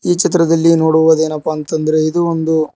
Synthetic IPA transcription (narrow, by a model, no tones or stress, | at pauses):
iːt͡ʃit̪ɾɐd̪ɐlːino̞ːɽuʋɐd̪e̞ːnɐpːɐːnt̪ɐnd̪ɐɾe̞id̪uond̪u